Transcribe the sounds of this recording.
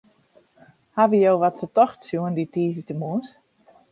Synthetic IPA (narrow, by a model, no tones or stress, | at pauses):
haʋəjowʋɔtfətɔxtsjuənditiːzətəmuəs